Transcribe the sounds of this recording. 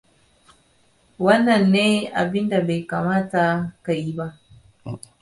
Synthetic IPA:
wɐ˦nːɐ˨nːeː˦ʔa˨bɪ˦nda˨ba˨jkaː˨maː˦ta˨ka˨ji˦ba˦ʔ

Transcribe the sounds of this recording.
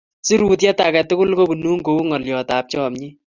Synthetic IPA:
si˦ɾuː˨t̬jɛ˦ta˨kɛ˨tʊ˦kʊ˦lko˦bu˨nuː˦ŋko˨˦ŋɔ˨ljɔ˨taː˨p̚t͡ʃɔː˦mɲi˦

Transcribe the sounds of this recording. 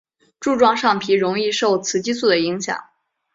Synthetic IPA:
ʈ͡ʂu˥˧ʈ͡ʂwɑ˥˧ŋʂɑ˥˩ŋpʰi˧˥ɻʊ˧˥ŋi˥˧ʂo˥˩ʊt͡sʰɹ̩˧˥t͡ɕi˥su˥˩d̪ə˩i˧˥ŋɕjɑ̰˨˩˦ŋ

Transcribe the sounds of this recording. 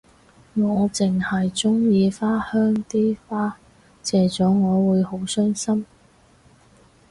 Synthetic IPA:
ŋɔː˨˧t͡sɪ˨ŋhɐ˨jt͡sʊ˥ŋjiː˧faː˥hœː˥ŋt̪iː˥faː˥ | t͡sɛː˨˩t͡sɔː˨˥ŋɔː˨˧wuː˨˧jho˨˥wsœː˥ŋsɐ˥m

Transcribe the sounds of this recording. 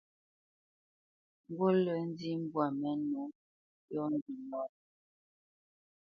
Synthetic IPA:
ŋ̩˦ɡo˦lə˨˦n˦di˦m̩˦bwa˨mɛ˦no˨˦ | jɔ˦n˦di˨nɔ˨

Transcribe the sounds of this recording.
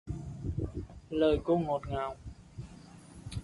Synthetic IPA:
ləː˨˩jko˧ŋo˨˩t̚ŋaː˨˩w

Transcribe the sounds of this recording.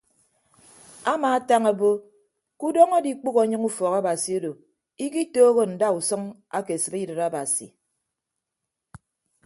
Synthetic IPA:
a˦maː˨a˦ta˦ŋa˨bo˦ | ku˦dɔ˦ŋo˦di˦k͡pu˦ɣo˨˦ɲɨ˦ŋu˦fɔ˨ɣa˦ba˨si˨o˦do˨ | i˦ki˦toː˦ɣo˦n̩˨da˦u˨sɔ˦ŋ | a̰˦ke˨sɨ˨ɾi˦dɨ˨ɾa˦ba˨sḭ˨

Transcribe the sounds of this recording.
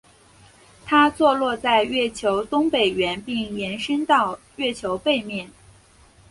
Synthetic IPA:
t̪ʰa˥t͡swɔ˥˧lwɔ˥˧t͡sa˥˧ɪɥɛ˥˩t͡ɕʰjo˧˥ʊt̪ʊ˥ŋpe˨˩ɪɥɛ˧˥npi˥˩ŋjɛ˧˥nʂə˥nt̪ɑ˥˧ʊ | ɥɛ˥˩t͡ɕʰjo˧˥ʊpe˥˧ɪmjɛ˥˩n

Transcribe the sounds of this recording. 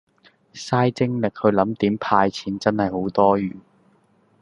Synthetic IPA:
saː˥jt͡sɪ˥ŋlɪ˨k̚hɵ˨˧lɐ˨˧˥mt̪iː˨˥mpʰaː˧jt͡sʰiː˨˥nt͡sɐ˥nhɐ˨jho˨˥wt̪ɔː˥ɥyː˨˩n

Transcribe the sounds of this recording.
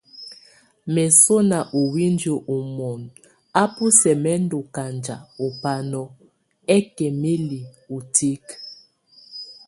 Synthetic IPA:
mɛ˨so˦na˨ʔu˨wi˦ndo˨ʔu˨mɔ˨n | a˦pu˦sɛ˨mɛ˦ndo˨ka˨nd͡ʒa̰˨o˨pa˨nɔ˨ | ɛ˦kɛ˨me˦li˨u˨ti˦k

